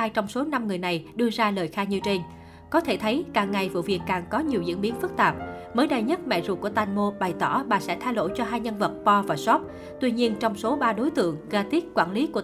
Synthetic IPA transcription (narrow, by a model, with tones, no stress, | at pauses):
aː˧jt͡ɕɔ˧wŋ͡mso˨˦na˧mŋɨ˨˩əjna˨˩jɗɨ˧əzaː˧ləː˨˩jxaː˧ɲɨ˧t͡ɕe˧ŋ̟ | kɔ˨˦t̪ʰe˧˩t̪ʰə˨˦jkaː˨˩ŋːa˨˩jvṵ˧˨vi˨˩ət̚kːaː˨˩ŋkɔ˨˦ɲi˨˩əwzɨ̰˧˥əŋɓi˨˦ənfɨ˦˥k̚t̪aː˨˩p̚ | məː˨˦jɗa˧˩jɲə˦˥t̚mɛ̰˧˨zṵ˨˩ku˧˩ət̪aː˧nmo˧ɓa˨˩jt̪ɔ̰˧˩ɓaː˨˩sɛ̰˧˥t̪ʰaː˧jlo̰˧˨jt͡ɕɔ˧ɦaː˧jɲə˧nvə˨˩t̚pɔ˧vaː˨˩sɔ˦˥p̚ | t̪wi˧ɲi˧ənt͡ɕɔ˧wŋ͡mso˨˦ɓaː˧ɗo˨˦jt̪ɨ̰˧˨əŋɣaː˧t̪i˦˥k̚kwa̰ː˧˩nli˨˦ku˧˩ə